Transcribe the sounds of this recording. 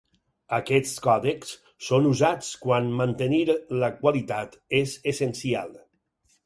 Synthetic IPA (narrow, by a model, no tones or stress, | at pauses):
əkɛt͡skɔðeks | sonuzat͡skwanmant̪eniɾləkwalit̪at̪ezesensia̰lˠ